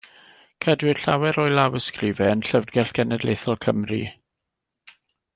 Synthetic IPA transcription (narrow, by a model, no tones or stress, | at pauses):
kʰadwɪrɬawɛɾɔːjlˠawəskrɪvɛənɬəvdɡɛɬɡ̥ɛnɛdleːθɔlˠkʰəmrḭ